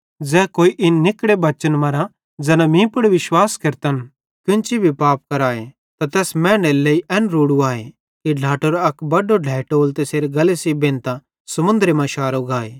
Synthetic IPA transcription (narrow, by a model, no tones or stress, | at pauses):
d͡zɛːkoːiʔɪnːɪkɽebɐt͡ʃənmɐɾã | d͡zɐnãmĩːpʊɽʋɪʃwaːskɐɾt̪ən | kɪ̃nt͡ʃibʱipaːp̚kɐɾaːe | t̪at̪ɛːsmɛ̃ːneleːiʔɛnɾuːɽuaːḛ | kiɖʱaːʈoɾɐkbɐɖoɖʱɛːʈoːlt̪eseːɾeɡɐlesibẽːnt̪ã | sɐmʊ̃nd̪əɾemɐ̃ʃaːɾoɡaːeː